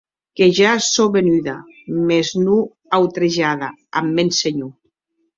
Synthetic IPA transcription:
keʒasoβenyða | meznu | awt̪ɾeʒaðaamːenseɲu

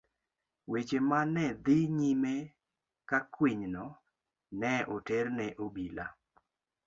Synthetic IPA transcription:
wet͡ʃemanɛd̪ɪɲime | kakwiɲnɔ | nɛʔotɛɾnɛʔobila̰

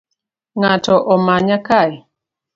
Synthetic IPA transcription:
ŋatɔʔɔmaɲakaj

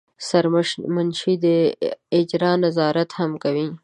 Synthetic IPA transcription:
saɾmmanʃid̪əɪd͡ʒɾɑnazɑɾat̪hamkawi

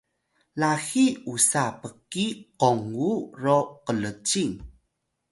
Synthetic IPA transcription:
laxiusapəkiqoŋɡuroqələt͡ʃiŋ

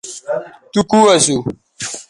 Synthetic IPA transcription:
tukuwasu

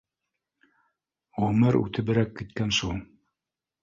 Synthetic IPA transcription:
ʁɵmɘɾʉ̰t̪ʰɘ̆βɘ̆ɾækːit̪̚kænʃulˠ

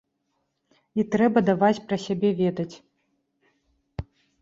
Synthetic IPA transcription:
it̪ɾɛbɐd̪avat͡sʲpɾɐsʲabʲɛvʲɛd̪ɐt͡sʲ

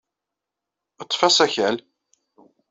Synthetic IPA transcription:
ət̪ˤːfæsæçæl

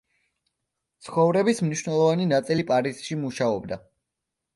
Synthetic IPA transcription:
t̪sʰχɔvɾɛbismniʃnɛlˠɔvaninat̪sʼilipʼaɾizʃimuʃaɔbd̪a

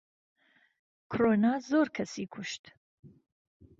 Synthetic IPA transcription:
kʰɾoːnaːzoːɾkʰɐsiːkʰuʃt̪

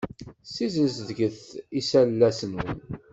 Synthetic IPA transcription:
sizəzðɡəθisælːæsənən

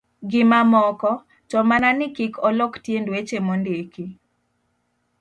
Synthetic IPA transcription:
ɡɪmamɔkɔ | tɔmananɪkikɔlɔktjendwet͡ʃemondeki

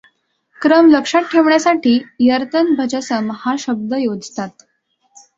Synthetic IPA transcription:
kɾəmləkʂaʈ̚ʈʰeʋɳjasaʈiːjəɾt̪ənbʱəd͡ʑəsəmhaɕəb̚d̪əjod͡zʱt̪at̪̚

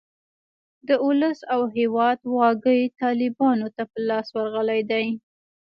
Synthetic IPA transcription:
d̪əʊləsawɦewɑd̪wɑɡəjt̪ɑlɪbɑnot̪apəlɑswaɾɣəlajd̪aj

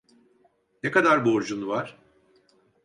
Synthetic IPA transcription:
nekad̪aɾbuoɾd͡ʒunuvaɾ̥

